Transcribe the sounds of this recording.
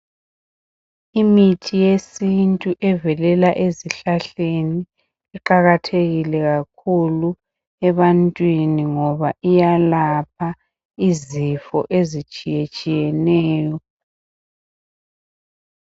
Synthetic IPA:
imitʰijesintʼuʔɛvɛlɛlaʔeziɬaɬeni | iǃaɣatʰeɣilɛɣakʰulu | ɛβantʼwiniŋɔβaʔijalap̚ʰa | izifɔ̰ʔezit͡ʃʼijet͡ʃʼijɛnɛːjɔ

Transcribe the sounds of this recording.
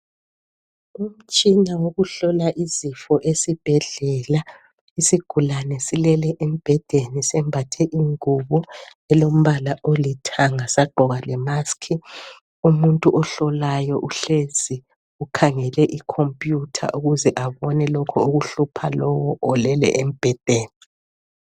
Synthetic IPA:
um̩t͡ʃʼinawoɣuɬɔlaʔizifɔʔesib̥ʱɛɮɛla | isiɡ̥ʱulanɛsilɛlɛʔem̩b̥ʱɛd̥ʱenisɛmbʱatʰɛʔiŋuβɔ | ɛlom̩βalaʔolitʰaŋasaɡ͡ǃʱɔɣalɛmaskʰi | umuntʼuʔɔɬɔlajɔʔuɬezi | ukʰaŋɛlɛʔikʰompʼjutʰa̰ʔuɣuzɛʔaβɔnɛlɔkʰɔuɣuɬupʰalɔwɔʔɔlɛlɛ̰ʔem̩b̥ʱɛd̥ʱeːni

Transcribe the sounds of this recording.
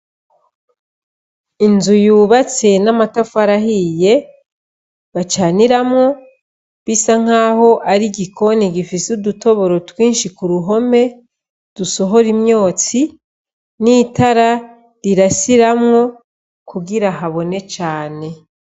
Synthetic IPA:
inzujuːβat͡se̞namatafuaɾahije̞ | βat͡ʃaːniɾamŋo̞ | βisaŋ̥aːho̞ʔaɾiɡikʰo̞niɡifisuduto̞βo̞ɾo̞twiːnʃikuɾuɦo̞me̞ | d̥uso̞ɦo̞ɾimjo̞ːt͡si | niːtaɾa | ɾiɾasiɾamŋo̞ | kuɡiɾaɦaβo̞ne̞t͡ʃaːne̞

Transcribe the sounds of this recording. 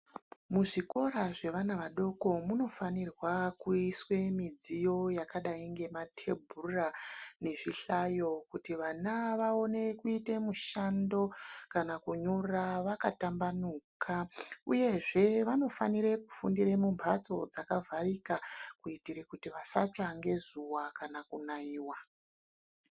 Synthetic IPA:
muʐiko̞ɾaʐe̞ʋanaʋaɗo̞ko̞muno̞fanirwakuiswe̞mid͡zijo̞jakaɗaiŋɡe̞matʰe̞bʱurane̞ʐiɬajo̞kutiʋanaʋao̞ne̞kuitemuʃando̞kanakuɲoraʋaka̰tambanukʰauje̞ʐe̞ʋano̞fa̰niɾekufundiremumpʰat͡so̞̰d͡zakavʱarikakuitiɾekutiʋasa̰t͡ʃaŋɡe̞zuwakanakunaiːwa

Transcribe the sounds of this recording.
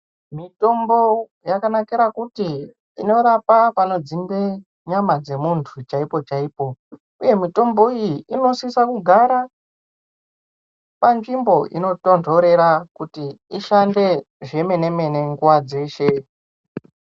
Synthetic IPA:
mito̞mbo̞ | jakanakiɾakutiː | no̞ɾapapano̞d͡zimbe | ɲamad͡ze̞muntʰut͡ʃaipo̞t͡ʃaipo̞ | uje̞mito̞mbo̞ijiino̞siisakuɡʱaɾa | panʐimbo̞ʔḭno̞to̞ndʰʱo̞ɾe̞ɾakutiiʃande̞ | ʐe̞me̞ne̞me̞ne̞ŋɡuwad͡ze̞ːʃe̞

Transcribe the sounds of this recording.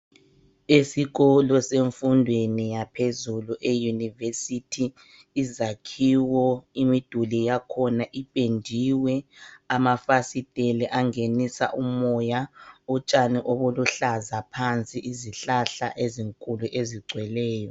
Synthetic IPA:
esiɣɔlɔseɱfundʱwenijapʰezuluʔejunivesitʰiː | zakʰiwɔimid̥ʱulijakʰɔnaʔipʼendʱiwɛamafasitʼelɛʔaŋenisa̰ʔumɔjaut͡ʃʼaniʔoβuluɬazapʰant͡sʼiʔiziɬaɬa̰ʔeziŋkʼuluʔeziɡ͡ǀʱwɛlɛːjɔ

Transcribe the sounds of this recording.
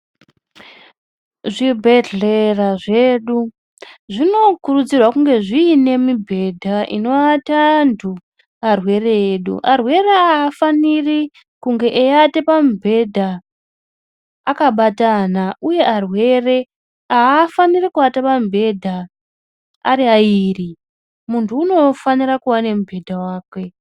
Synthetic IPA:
ʐibʱe̞ɮeraʐe̞ːɗu | ʐino̞kurud͡zirwakuŋɡe̞ʐiːne̞mibʱe̞dʱaʔḭno̞atandʰu | arwe̞reeɗṵʔarwe̞reaːfaniri | kuŋɡe̞ʔejatepamubʱe̞dʱa | akaɓatanauje̞ʔarwe̞re̞ | aːfanirikuatapambʱe̞dʱa | a̰ɾiaiːri | muntʰuːno̞fanirakuwanemubʱe̞dʱawaːkwe̞

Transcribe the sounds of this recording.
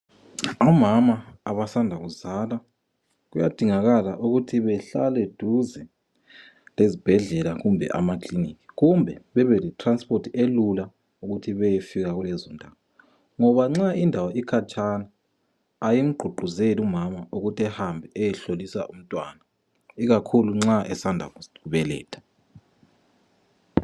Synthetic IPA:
ɔmamaaβasandʱaɣuzala | ɣujad̥ʱiŋaɣalaʔuɣutʰiβɛɬa̰lɛd̥ʱuzɛ | lezib̥ʱɛɮɛlaɣumbʱɛ̰ʔa̰makʰʼlinikʰi̥ɣumbʱɛβɛβɛlɛtʰranspʰʼotʰielula | uɣutʰiβɛjefiɣaɣulɛzɔndʱawɔ | ŋɔβaŋ͡ǁaindʱawɔikʰat͡ʃʼʰanaː | jim̩ɡ͡ǃʱuɡ͡ǃʱuzelumamaʔuɣutʰɛhambʱɛɛjɛɬolisa̰ʔum̩tʼwaːna | iɣakʰuluŋ͡ǁaʔɛsandʱa̰ɣuβɛlɛ̰ːtʰḁ

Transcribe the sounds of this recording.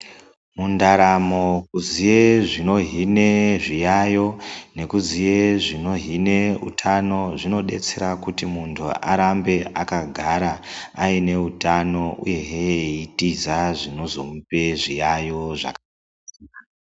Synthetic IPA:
mundaɾamo̞kuzijeʐino̞ɦine̞ʐijajo̞ne̞kuzije̞ʐino̞ɦine̞ṵtʰano̞ʐino̞ɗe̞̰t͡se̞ɾakutimuntʰṵa̰ɾambe̞ʔakaɡʱaɾaaine̞utano̞ʔṵje̞ɦeitizaʐino̞zo̞̰mupe̞ʐijajo̞ʐa̰ka | a

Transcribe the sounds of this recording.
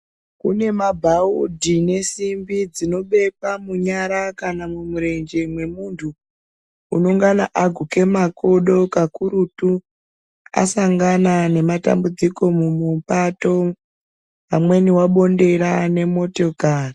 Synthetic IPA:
kune̞mabʱaudʱine̞simbid͡zino̞ɓe̞kwamuɲaɾakanamumuɾe̞nd͡ʒe̞mwe̞muntʰuː | no̞ŋɡana̰ʔaɡʱuke̞makoɗo̞kakuɾutu | a̰saŋɡanane̞mata̰mbud͡ziko̞mumupato̞ | pamwe̞niwaɓo̞nde̞ɾane̞mo̞to̞kaːri

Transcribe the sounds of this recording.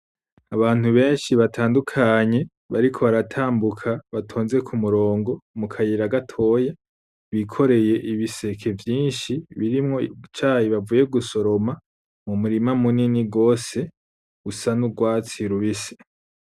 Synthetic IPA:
aβaːn̥huβe̞ːnʃiβatʰaːndukʰaɲe̞ | βaɾikʰo̞βaɾatʰaːmbukʰaβatʰo̞ːnze̞kʰumuɾo̞ːŋɡo̞mukʰajiɾaɡatʰo̞ːje | βikʰo̞ɾe̞je̞ʔiβise̞kʰe̞vjiːnʃiβiɾimŋo̞it͡ʃaːhiβavuːje̞ɡuso̞ɾo̞ma | mumuɾimamuniniɡo̞ːse̞ | ɡusanuɡwaːt͡siɾuβise̥

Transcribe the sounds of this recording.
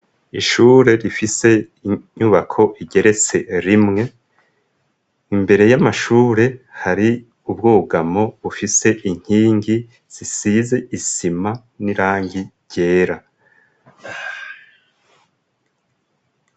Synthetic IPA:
iʃuːɾe̞ɾifise̞ | iɲuβakʰo̞ʔiɟe̞ɾe̞t͡se̞ɾimŋe̞ | imbe̞ɾe̞jamaʃuːɾe̞haɾi | ub̚ɡoːɡamo̞βufise̞ʔiŋ̥hiːŋɡi | z̥isize̞ʔisima | niɾaːŋɡi | ɟe̞ːɾa

